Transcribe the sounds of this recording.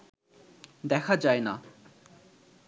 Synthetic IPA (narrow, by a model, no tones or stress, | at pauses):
d̪ɛkʰad͡ʑaena